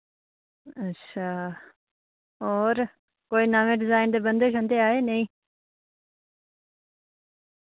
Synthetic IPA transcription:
ətːʃʰaː | ɔːɾ | koːinaːmẽːɖɪzaːɪnd̪ebə̃nd̪eːʃ̬õnd̪eaːɦeːnəɦĩː

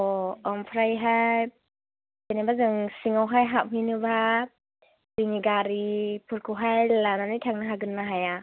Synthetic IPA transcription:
ɔɔmpʰɾajɦaj | zenabazɯŋsiŋawɦajɦap̚ɦɯjnɯba | ziŋiɡaɾipʰɯɾkʰɯwɦajlananɯtʰaŋnɯɦaɡɯnːaɦaja

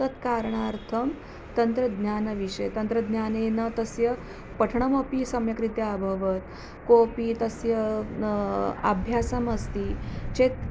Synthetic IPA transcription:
ət̪kaɾɳaɾt̪ʰəm | t̪ənt̪ɾəd̪njanɐʋiʂəjt̪ɐnt̪ɾəd̪njanenət̪əsjə | pəʈʰɳəməpiːsɐmjɐkɾit̪jɐabʱəʋət̪ | kopiːt̪əsjə | ə̰bʱjasəməst̪iːt͡ɕet̪

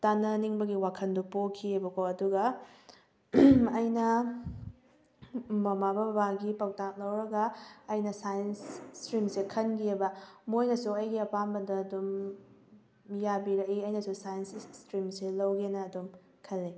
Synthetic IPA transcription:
tanːɐniŋbɐɡiwakʰɐndupokʰːiebɐkoɐduɡɐ | ɐjnɐ | mɐmabɐbɐbaɡipɐk̚tak̚lɐwɾɐɡɐɐjnɐsajɐnsstɾimsekʰɐnɡiebɐmojnɐsuɐjɡiɐpanbɐdɐdum | jabiɾɐkiɐjnɐsusajɐnsstɾimselɐwɡenɐːdum | kʰɐlːi

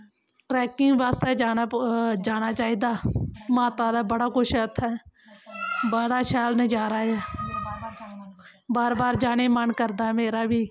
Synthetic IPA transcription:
ʈɾɛːkɪŋɡbaːst̪ɛːd͡ʒaːnad͡ʒaːɽ̃aːt͡ʃaːiːd̪aːmaːt̪aːd̪aːbəɽaːkʊʃʰət̪ʰːɛː | bəɽaːʃɛːlnəd͡ʒaːɾaːɛː | baːɾbaːɾd͡ʒaːɽ̃eːmənkəɾd̪aːɛmeːɾaːbiː

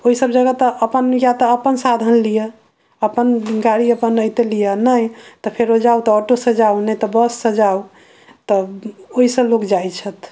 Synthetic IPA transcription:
oisəbd͡ʒəɡat̪ɔʔəpənjat̪ɔːpənsad̪ʱənlijə | əpənɡaɽiəpənəjt̪elijənəjt̪ɔpʰeɾod͡ʒaut̪ɔɔʈosə̃d͡ʒaunəjt̪ɔbəsːə̃d͡ʒau | t̪ɔoisəlokd͡ʒajt͡ʃʰət̪

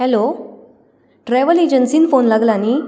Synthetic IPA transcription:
ɦɛlo | ʈɾɛʋəled͡ʑənsiːnfonlaɡlani

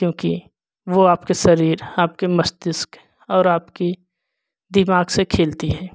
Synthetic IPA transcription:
kjõːki | ʋoaːpkesɐɾiːɾaːp̚kemɐsd̪ɪsk | ɔːɾaːpki | d̪ɪmaːɡsekʰeːlt̪iɦɛː

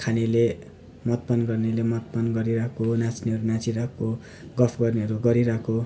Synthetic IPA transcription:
kʰanile | mʌt̪̚pʌnɡʌrnilemʌt̪̚pʌnɡʌɾiɾakonat͡sniʌɾunat͡siɾakʰo | ɡʌpʰɡʌrneɦʌɾuɡʌɾiɾakʰo

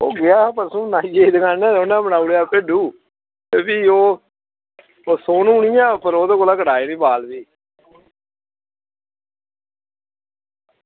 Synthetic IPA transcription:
o̰ːɡɪaːpəɾsũːnaːijeːd̪kaːnɛ̃ːoːnãːbənaːuɽeaːpeːɖuː | eːbiːoː | oːsoːnũːʊɳijãːpəɾoːd̪oːkolaːkəɽaːeːnĩːbaːlbiː

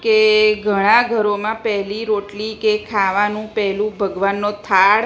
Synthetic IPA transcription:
keɡʱəɽ̃ãɡʱəɾomãpɛɦliɾoʈlikekʰaʋanũpɛɦlũbʱəɡʋanːot̪ʰaɭ

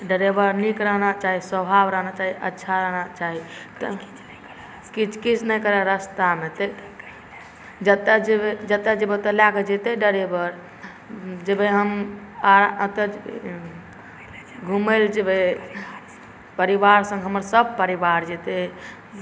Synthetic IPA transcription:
ɖəɾebəɾnikɾəɦnat͡ʃaɦiswəbʱabɾəɦnat͡ʃaɦiə̰tːʃʰaɾəɦnat͡ʃaɦit̪ | kit͡ʃʰkit͡ʃʰnəjkəɾɛɾəst̪amet̪e | d͡ʒət̪ːad͡ʒebed͡ʒət̪ːad͡ʒebet̪əlakd͡ʒet̪eɖəɾebəɾ | d͡ʒebeɦəmaɾə̃t̪əd͡ʒ̰ | ɡʱumeld͡ʒebe | pəɾibaɾsə̃ŋɡɦəməɾsəb̚ʱpəɾibaɾd͡ʒet̪e

